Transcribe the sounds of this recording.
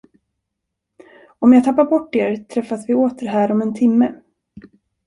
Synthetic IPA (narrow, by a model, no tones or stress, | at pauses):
ɔmjɑːɡt̪ʰapːaɾbɔʈːeːɾt̪ʰɾɛfːasvɪoːt̪əɾɦæːɾɔmɛnt̪ʰɪmːə